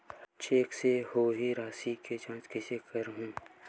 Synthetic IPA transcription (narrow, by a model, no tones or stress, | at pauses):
t͡ʃeːksehoːɦiɾaːsiket͡ʃãːt͡ʃkɛsekəɾɦũː